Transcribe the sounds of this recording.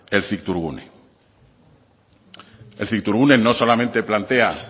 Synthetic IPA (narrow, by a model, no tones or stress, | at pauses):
elθik̚t̪uɾɣṵnḛ | elθik̚t̪uɾɣ̞unenoso̞lamẽnt̪e̞plant̪ea